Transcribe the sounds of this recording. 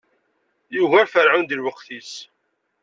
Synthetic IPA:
juɣæɾfəɾʕund̪ilwəqθis

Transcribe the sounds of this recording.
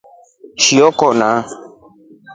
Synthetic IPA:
ʃiɔkɔʔna

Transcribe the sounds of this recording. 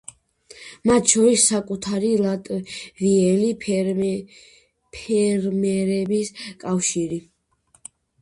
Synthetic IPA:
mat̪ʰʃɔɾisːakʼut̪ʰaɾilat̪ʼviɛli | pʰɛɾmɛɾɛbiskʼafʃiɾi

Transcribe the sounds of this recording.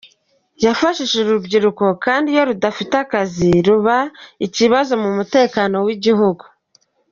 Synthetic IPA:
jafaʃiʃeɾubɟiɾuko̞kaːndijo̞ɾudafitakaziɾuβaiciβazo̞mumute̞ːkano̞wiɟiɦuɡu

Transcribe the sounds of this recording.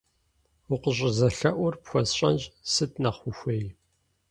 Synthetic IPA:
ʊqəɕʼɪzɐɬɐʔʷʊrpxʷɔsɕʼɐ̰nd͡ʒsɨtʰnɐχʷʊxʷeːj

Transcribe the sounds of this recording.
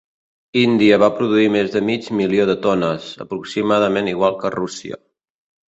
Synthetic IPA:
ind̪iəβ̞apɾuð̞uimezðəmid͡ʒmilioðət̪ɔnəzə̰pɾuksimað̞əmeniɣwalˠkərusḭə̰

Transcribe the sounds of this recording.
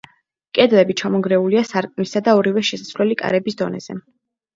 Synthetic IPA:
kʼɛd̪lɛbit͡ʃʰamɔɡɾɛuliasaɾkʼnisad̪aɔɾivɛʃɛsasvlɛlikʼa̰ɾɛbisd̪ɔ̰nɛ̰z̥ɛ̰

